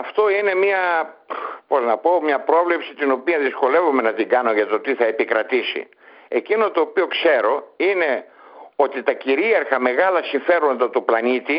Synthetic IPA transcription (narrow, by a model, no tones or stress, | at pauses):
ɐft̪o̞ine̞miɐ | poznɐpo̞mɲɐpɾo̞vlepsit̪ino̞piɐðisko̞le̞vume̞nɐt̪iɡɐno̞ʝɐt̪o̞t̪iθɐe̞pikɾɐt̪isḭ | e̞cino̞t̪o̞ːpio̞kse̞ɾo̞ine̞ | o̞t̪it̪ɐciɾieɾxɐme̞ɣɐlɐsiɱfe̞ɾo̞nd̪ɐt̪oplɐnit̪i